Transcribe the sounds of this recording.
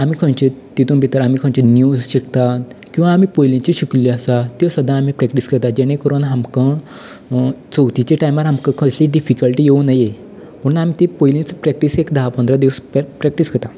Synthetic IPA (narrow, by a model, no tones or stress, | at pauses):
amiːkʰə̃nt͡ɕet̪it̪unbʱit̪əɾamiːkʰə̃t͡ɕenjud͡zɕikt̪akĩw̃ʋaːm̤iːpojlĩɲt͡ɕiɕikliəsat̪isəd̪ʱãːmiːpɾɛkʈiskət̪ad͡ʑeɽ̃ẽkəɾonɦamkə̃ | t͡səwt̪it͡ɕeʈajmaɾɦamkə̃kʰəsliːɖifikəlʈiːjeunaje | m̤əɽ̃unam̤it̪epojlĩt͡spɾɛk̚ʈisekd̪aɦapənd̪ɾad̪iʋsppɾɛkʈisɡət̪a